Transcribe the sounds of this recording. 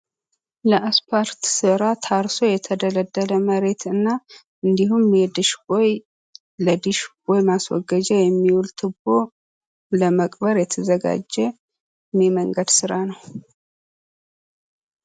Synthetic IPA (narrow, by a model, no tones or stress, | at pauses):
ləʔaspʰaɾt̪sɨɾat̪ʰaɾso̞jɛt̪ʰəd̪ələd̪ːələməɾe̞t̪ɨnːa | ʔɨnd̪iɦumjɛd̪ɨʃboj | ləd̪ɨʃɡojmaswɔ̰ɡəd͡ʒɛjɛmːiwult̪ʰɨbo | ləməkʼbəɾjɛt̪ʰəzəɡa̰d͡ʒːɛ | meməŋɡəd̪sɨɾanəw